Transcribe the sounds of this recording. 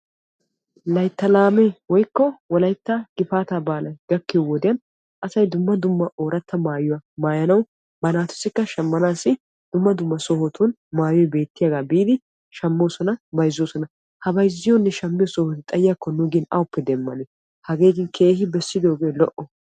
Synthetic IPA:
lɐjt̪ːɐlaːmewɔjkːɔwɔlɐjt̪ːaɡ̥ɪfaːt̪abaːlɐjɡɐkːɪwɔd̪ɪjɐn | ʔɐsɐjd̪ʊmːɐd̪ʊmːɐʔoːɾɐt̪ːɐmaːjʊwɐmaːjɐnɐw | bɐnaːt̪ʊ̥sɪkːɐʃɐmːɐnaːsɪ | d̪̥ʊmːɐd̪ʊmːɐsɔhɔt̪ʰʊn | maːjɔjbe̞ːt̪ːɪjaɡaːbiːd̪ɪ | ʃɐmːo̞ːsɔnɐbɐjzːoːsɔnɐ | hɐbɐjzːɪjɔnːɛʃɐmːɪjɔsɔhɔt̪ɪt̪ʼɐjjakːɔnʊɡɪnɐ̰wʊpːɛd̪ɛmːɐ̰nɛ | hɐɡeːɡɪnkʰe̞ːɦɪbɛsːɪd̪o̞ːɡe̞ːlɔʔɔ

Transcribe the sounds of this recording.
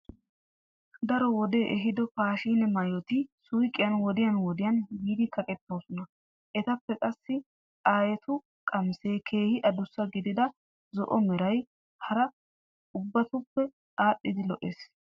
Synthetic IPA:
d̪ɐɾɔwɔd̪eːʔɛɦɪd̪ɔpaːʃiːnɛmɐjɔt̪ɪsʊjkʼːɪjɐnwɔd̪ɪjɐnwɔd̪ɪjɐnbiːd̪ɪkʰɐkʼɛt̪ːo̞ːsɔnɐ | ʔɛt̪ɐpːɛkʼɐsːɪ | aːjɛt̪ʰʊ | kʼɐmseːkʰe̞ːhɪʔɐd̪ʊsːɐɡɪd̪ɪd̪ɐ | zɔ̰ʔɔmɛɾɐj | hɐɾɐ | ʊbːɐt̪ʊpːɛ | aːɗɪd̪ɪlɔʔeːs

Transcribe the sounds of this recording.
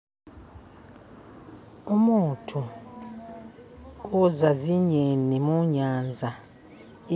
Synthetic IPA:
umutʰu | uzaziɲenimuɲanzʱa | i

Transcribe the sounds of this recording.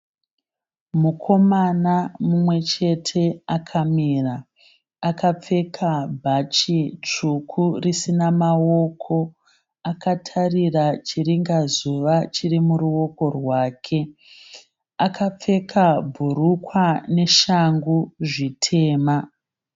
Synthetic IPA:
mukʰo̞manamumwe̞t͡ʃe̞tʰe̞akʰamiːraː | kap͡fe̞kʰabʱat͡ʃit͡ʂukʰurisinamao̞kʰo̞ | akatʰarirat͡ʃiriŋɡazuʋat͡ʃirimuɾuwo̞ko̞rwaːkʰe̞ | akʰap͡fe̞kʰabʱuɾukwane̞ʃaŋɡuʐitʰe̞ːma

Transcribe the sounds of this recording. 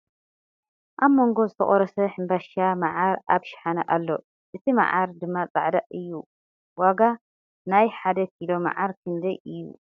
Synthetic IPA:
ʔaβmo̞ŋɡo̞zɨt̪ʰɐ̰χʼoɾɐsɐħɨmbaʃamaʕaɾʔaβʃɪ̥ħanɐʔalːo̞ | ʔɨt̪ʰima̰ʕaɾd̪ɨmːat͡sʼa̰ʕd̪aʔɨjːu | waɡa | najħad̪ɐkilo̞ma̰ʕaɾkʰɨnd̪ɐjɨjːṵ

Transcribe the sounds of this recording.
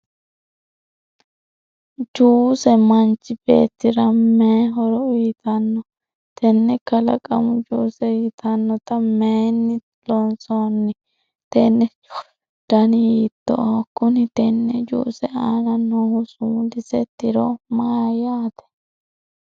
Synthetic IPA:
d͡ʒuːsɛmɐnt͡ʃːɪbḛːt̪ːɪɾɐmeːɦɔɾɔit̪ɐnːɔ | t̪ʰɛnːɛkɐlɐ̰kʼɐmʊd͡ʒuːsɛːt̪ɐnːɔt̪ɐmeːnːɪ | lɔnsɔnːɪ | t̪ɛnːɛ | d̪̥ɐnɪjiːt̪ːɔ̰kʊnɪt̪ɛnːɛd͡ʒṵːsɛaːnɐnoːhʊsʊmlɪsɛt̪ːɪɾɔmaːjaːt̪ɛ̥

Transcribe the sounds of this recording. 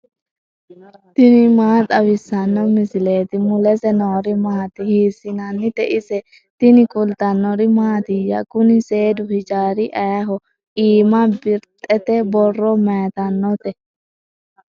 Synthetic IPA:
t̪ɪnɪmaːt̪ʼɐwɪsːɐnːɔmɪsɪleːt̪ɪmʊlɛsɛnoːɾɪmaːt̪ɪhiːsɪnɐnːɪt̪ɛʔɪsɛ | t̪ɪnɪkʼʊlt̪ɐnːɔɾɪmaːt̪ɪjːɐ̰kʊnɪse̞ːd̪ʊhɪd͡ʒaːɾɪʔɐjɐɦɔ | iːmɐbɪɾt̪ʼɛt̪ɛbɔrːɔmɛt̪ɐnːɔt̪ɛ

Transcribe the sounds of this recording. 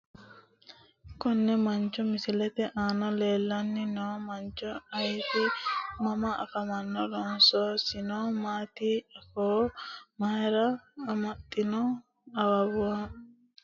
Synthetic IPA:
kɔnːɛmɐnt͡ʃɔmɪsɪlɛt̪ɛʔaːnɐle̞ːlːɐnːɪnoːmɐnt͡ʃɔɐjt̪ɪmɐmɐɐ̰fɐmɐnːɔlɔnsoːsɪnoːmaːt̪iɐfomɐɾɐːmɐt̪ʼːɪnɔ | ɐwɐbʊwɐ

